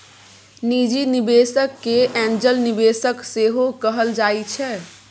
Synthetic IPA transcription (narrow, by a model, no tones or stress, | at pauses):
nid͡ʒinibesəkːeʔɛ̃nd͡ʒəlnibesəkseɦokəɦəld͡ʒajt͡ʃʰɛ